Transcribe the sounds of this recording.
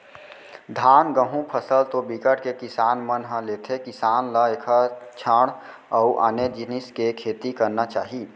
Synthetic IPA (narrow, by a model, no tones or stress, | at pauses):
d̪ʱaːnɡəɦũpʰəsəlt̪obikəʈkekɪsaːnmənɦə̃leːt̪ʰekɪsaːnlaeːkʰat͡ʃʰəɽ̃ | əuʔa̰ːned͡ʒɪnɪskekʰeːt̪ikəɾnat͡ʃaːɦi